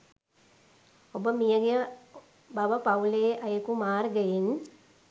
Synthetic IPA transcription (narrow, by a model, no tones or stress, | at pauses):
obəmijəɡejə | baʋəpauleːʔajəkumaːrɡəjin